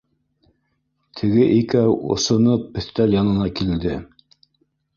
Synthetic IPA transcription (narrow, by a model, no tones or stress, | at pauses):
t̪ʰɘ̆ɡɘʔikæwŏ̰sŏnɤp̚bɵ̆θt̪æljɑnɤ̆nɑkild̪ɘ